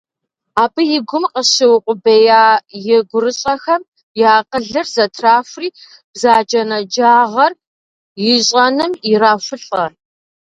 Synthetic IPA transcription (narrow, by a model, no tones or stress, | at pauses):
aːbɨjɪɡʷʊmqəɕɪwqʷʼʊbejaːjɪɡʷʊrɨɕʼɐxɐm | jaːqəɮɨrzɐtʰraːfʷriː | b̥zaːd͡ʒʼɐnɐd͡ʒaːʁɐr | jɪɕʼɐnɨmɪraːfʷʊɬʼɐr